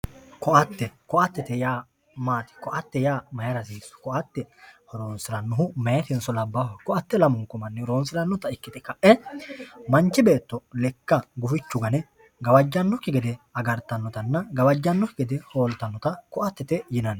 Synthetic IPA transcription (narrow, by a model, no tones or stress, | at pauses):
kɔʔɐt̪ːɛkɔʔɐt̪ːɛt̪ɛjaː | maːt̪ɪ̥kɔʔɐt̪ːɛjaːmɐjɐɾɐsiːsɔ̥kɔʔɐt̪ːɛhɔɾoːnsɪɾɐnːʊɦʊmɛjɐt̪ɪnsɔlɐbːawɐkɔʔɐt̪ːɛlɐmʊŋkʊmɐnːɪɾo̞ːnsɪlɐnːɔt̪ɐɪkːɪt̪ɛkɐʔɛ | mɐnt͡ʃːɪbeːt̪ːɔlɛkːɐɡʊfɪt͡ʃːʊɡɐnɛ | ɡɐwɐd͡ʒːɐnːɔkːɪɡɛd̪ɛɐɡɐɾt̪ɐnːɔt̪ɐnːɐɡɐwɐd͡ʒːɐnːɔkːɪɡɛd̪ɛho̞ːlt̪ɐnːɔt̪ɐkɔʔɐt̪ːɛt̪ɛjɪnɐnː